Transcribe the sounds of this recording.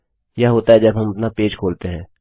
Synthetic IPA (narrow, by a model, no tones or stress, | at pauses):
jaɦoːt̪aɦɛd͡ʒɐbʱɦɐmɐpnapeːd͡ʒkʰoːlt̪eɦɛ̃ː